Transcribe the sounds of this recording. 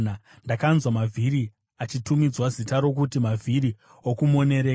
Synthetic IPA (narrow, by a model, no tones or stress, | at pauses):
na | ndakanzwamavʱiɾi | at͡ʃitumid͡zwazitaɾo̞k̬utimavʱiɾi | okumo̞ne̞ɾe̞ː